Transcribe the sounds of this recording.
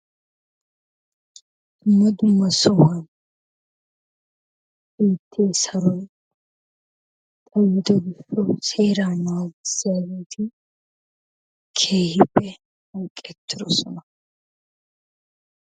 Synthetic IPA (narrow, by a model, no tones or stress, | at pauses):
d̥mːɐd̪ʊmːɐsɔhɐn | ʔeːt̪ʰːeːsɐɾɔj | t̪ʼɐjːɪt̪ɔɡɪʃːɔseːɾaːmaːɡɪsːɪjaːɡeːt̪ʰɪ | kʰeːhɪbːɛ | hɐŋkʼːɛt̪ʰːɪɾɔ̰sɔnɐ